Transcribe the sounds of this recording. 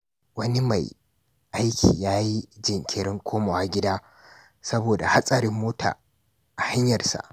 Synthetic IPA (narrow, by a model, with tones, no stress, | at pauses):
wɐ˦ni˦ma̰˨j | ʔa˦jkʲʰḭː˨jaː˦ji˦d͡ʒɪ˨ŋkʲɪ˨ɽɪ˦ŋkʷʰoː˦ma˨waː˦ɡʲɪ˦daː˦ | sɐ˦boː˨da̰˨ha˦sʼɐ˨ɾɪ˦mːoː˦tʰa̰ː˨ | ʔa˨ha˦ɲjɐ˨rsa̰˨ʔ